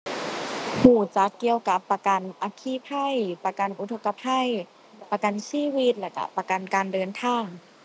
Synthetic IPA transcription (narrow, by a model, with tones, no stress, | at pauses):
huː˧˩t͡ɕa˧˦kːi˧əwka˧˦pːa˧ka˨nʔa˧kʰiː˧˥˨pʰa˧˥˩jpa˧ka˨nʔu˧t̪ʰo˧kːa˧pʰa˧˥˨j | pa˧ka˨nsiː˧˥˨wi˧˥t̪̚lɛː˧˩ka̰˧˩pa˧ka˨nkaː˨ndɤː˨nt̪ʰaː˧˥˩ŋ